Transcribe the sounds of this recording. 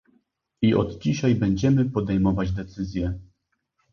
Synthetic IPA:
iʔɔ̰d̪d͡ʑiɕajbɛɲd͡ʑɛmɘpɔd̪ɛjmɔvad͡ʑd̪ɛt̪sɘzʲjɛ

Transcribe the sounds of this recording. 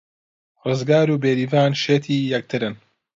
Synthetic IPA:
rɨzɡaːɾuːbeːɾiːvaːnʃeːt̪ʰiːjɛk̚t̪ʰɨɾɨn

